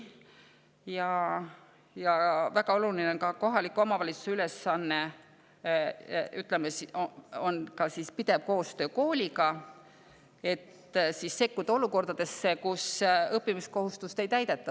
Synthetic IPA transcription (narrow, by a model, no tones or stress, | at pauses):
jɑ | jɑvæɡ̥ɑo̞lulineokɑko̞ɦɑlikːˑuo̞mɑvɑlʲit̪su̥seyle̞sːɑnːe̞ | yt̪ˑlemesionkɑsispid̪̥e̞vko̞ːst̪ø̞ːko̞ːlʲiɡɑ | e̞t̪ | sisːe̞kːud̪̥ɑo̞luko̞rd̪̥ɑd̪̥e̞sːe̞kusɤpːimisko̞ɦust̪ust̪e̞jt̪æjd̪̥e̞t̪ːˑɑ